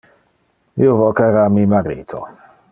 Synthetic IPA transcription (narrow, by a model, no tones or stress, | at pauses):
iovɔkɛɾamimaɾḭːt̪ʰo̰